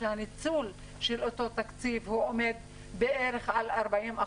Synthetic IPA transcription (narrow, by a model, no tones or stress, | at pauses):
ehanit͡sul | ʃelo̞to̞t̪akt͡sivhuo̞me̞d̪̚ | beʔeʁeχalaʁbaʔima